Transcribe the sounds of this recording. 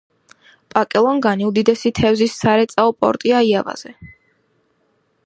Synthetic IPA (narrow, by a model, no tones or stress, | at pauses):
pʼakʼɛlˠɔŋɡaniud̪id̪ɛsit̪ʰɛvzisːaɾɛt̪sʼaɔpʼɔ̰ɾt̪ʼiaiava̰z̥ɛ